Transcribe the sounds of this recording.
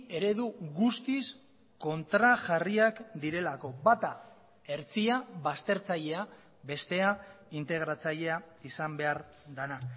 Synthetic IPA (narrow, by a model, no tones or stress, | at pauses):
e̞ɾe̞ðuɣust̪is | ko̞nt̪ɾaʝariakd̪iɾe̞lako̞bat̪a | e̞ɾt͡siaβast̪e̞ɾt͡saʎe̞a | be̞st̪e̞a | int̪e̞ɣ̞ɾat͡saʎe̞aisambe̞aɾ | d̪ana